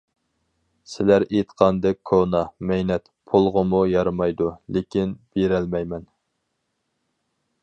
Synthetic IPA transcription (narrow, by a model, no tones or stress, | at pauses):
sɪlæɾet̪qʰɑnd̪ɛk̚ʲkʰonɑmɛjnɛt̪ | pʰulˠʁəmujɑɾmɑjd̪ulekʲʰinb̥eɾɛlmɛjmɛn